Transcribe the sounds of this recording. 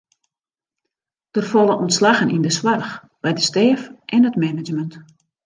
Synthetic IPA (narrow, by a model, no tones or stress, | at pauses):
d̥ərfɔlˠənʔɔntslaɣənindəswarx | b̥ɛjdəstɛːfʔɛnətmɛnəd͡ʒmənt